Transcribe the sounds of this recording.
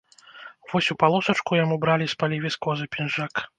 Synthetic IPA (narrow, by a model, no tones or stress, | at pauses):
vɔsʲupalˠɔsɐt͡ʂkujamubɾalʲispalʲivʲiskɔzɨpʲinʐak